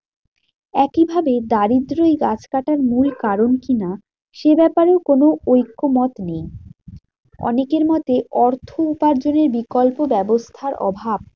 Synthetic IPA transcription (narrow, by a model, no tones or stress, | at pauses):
ɛkibʱabed̪aɾid̪ɾojɡat͡ɕkaʈaɾmulkaɾonkina | ʃebɛpaɾeokonoojkːomɔt̪nej | ɔ̰nekeɾmɔt̪eʔɔɾt̪ʰoupaɾd͡ʑoneɾbikolpobɛbost̪ʰaɾʔɔ̰bʱab̚